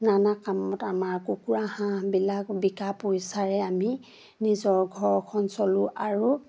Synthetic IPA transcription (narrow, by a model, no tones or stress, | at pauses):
nanakamɔtamaɹkukuɹahãbilakbikapojsaɹɛami | nizɔɹɡʱɔɹɔkʰɔnsɔluʔaɹu